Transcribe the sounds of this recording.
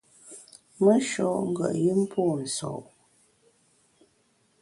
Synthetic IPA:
mə˦ʃɔ˨ʔŋ̩˦ɡwə̰˨ʔji˦m̩˦pʰoː˦˨n̩˨sɔ̰˨ʔ

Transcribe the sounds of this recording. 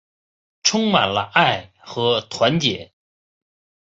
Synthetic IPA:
ʈ͡ʂʰʊ˥ŋma˨˩nlə˦ʔa˥˩ɪ | xɤ˧˥t̪ʰwa˧˥nt̪jɛ˨˩˦

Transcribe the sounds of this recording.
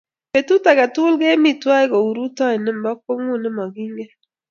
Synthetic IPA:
pe˨tu˦ta˨ɡa˨tu˦lɡe˦mi˦twa˦ɪ˦ɡo˨u˨ɾu˦tɔ˦ɪ˨nɪ˦m̩˨bɔ˦k̚ːo˦ŋu˦˨nɪ˦mɔ˨ɡi˦ŋɡe˦

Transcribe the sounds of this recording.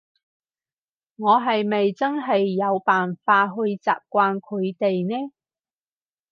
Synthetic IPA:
ŋɔː˨˧ɦɐ˨jme˨jt͡sɐ˥nɦɐ˨jːɐ˨˧wpaː˨nfaː˧ɦɵ˧ɥt͡sa̰ː˨p̚kʷaː˧nkʰɵ˨˧ɥt̪e˨jnɛː˥

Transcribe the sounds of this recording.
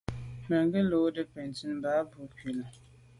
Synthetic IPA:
mɛ˨ŋɡɪ˦lo˦dɪ˦pɛ˨n˨ti˦n˦baː˦bu˨˦ki˨la˨

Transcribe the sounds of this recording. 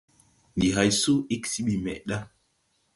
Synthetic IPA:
ndi˨ɦa˨jsu˦i˦ksi˦ɓi˨mɛ̰˨ʔɗa˦

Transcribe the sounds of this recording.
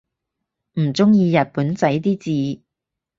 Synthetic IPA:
m̩˨˩t͡sʊ˥ŋjiː˧jɐ˨t̚puː˨˥nt͡sɐ˨˥jt̪iː˥t͡siː˨˧

